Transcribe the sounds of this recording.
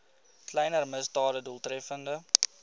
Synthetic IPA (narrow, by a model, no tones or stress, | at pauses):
klɛjnərməsdɑːdəduəlˠtrɛfəndə